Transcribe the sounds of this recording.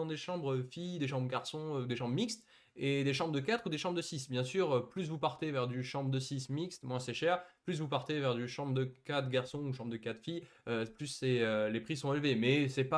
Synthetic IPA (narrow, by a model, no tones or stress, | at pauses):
ɑ̃d̪eʃɑ̃bʁfijd̪eʃɑ̃bʁəɡaʁsɔ̃d̪eʃɑ̃bʁəmikst̪ | ed̪eʃ̬ɑ̃bʁəd̪əkat̪χud̪eʃɑ̃bʁd̪əsisbjɛ̃syʁøplys̬vupaʁt̪evɛʁd̪yʃɑ̃bʁəd̪əsismikst̪mwɛ̃sɛʃɛʁplys̬vupaʁt̪evɛʁd̪yʃɑ̃bʁəd̪əkat̪χɡaʁsɔ̃uʃɑ̃bʁd̪əkat̪χfijøplysːɛølepχisɔ̃elvemɛsɛpa